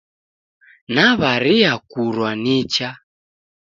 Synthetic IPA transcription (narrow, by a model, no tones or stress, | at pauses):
naβaɾiakuɾwanit͡ʃa